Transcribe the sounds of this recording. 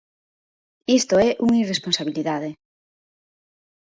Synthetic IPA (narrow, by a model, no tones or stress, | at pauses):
ist̪oɛʔuŋiresponsaβ̞iliðaðe